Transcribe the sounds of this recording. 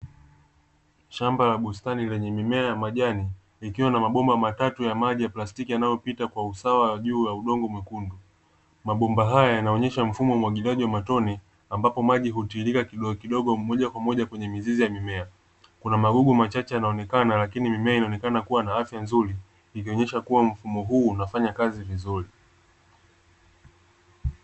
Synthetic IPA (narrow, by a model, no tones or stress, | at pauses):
ʃambalaɓustanilɛɲɛmimɛajamaʄani | ikiwanamaɓɔmbamatatujamaʄijaplastikijanajɔpitakwausawaaʄuːjauɗɔŋɡɔmwɛkundu | maɓɔmbaɦajajanaɔɲɛʃam̩fumɔmwaɠiliaʄiwamatɔni | ambapɔmaʄiɦutiːlikakiɗɔkiɗɔɠɔmɔʄakwamɔʄakwɛɲɛmizizijamimɛa | kunamaɠuɠumat͡ʃat͡ʃɛjanaɔnɛkanalakinimimɛainaɔnɛkanakuwanaafjanzuɾiː | kiɔɲɛʃakuwam̩fumɔɦuːnafaɲakazivizuɾi